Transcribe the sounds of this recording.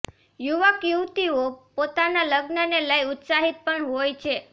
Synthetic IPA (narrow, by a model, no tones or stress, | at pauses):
juʋakuwt̪iopot̪analəɡnəneləjut̪saɦit̪̚pəɳɦojt͡ʃʰe